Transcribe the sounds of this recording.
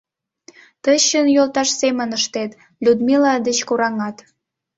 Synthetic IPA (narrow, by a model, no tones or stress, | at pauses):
t̪əɕənjolt̪ɑʃsemənəʃt̪et̪ | lʲud̪milɑd̪et͡ɕkuɾɑŋɑt̪